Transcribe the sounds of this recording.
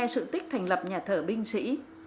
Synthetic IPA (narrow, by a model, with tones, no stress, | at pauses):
ɛ˧sɨ̰˧˨t̪i˦˥k̟̚t̪ʰa˨˩jŋ̟lə˨˩p̚ɲaː˨˩t̪ʰəː˧˩ɓï˧ŋ̟sḭ˧˥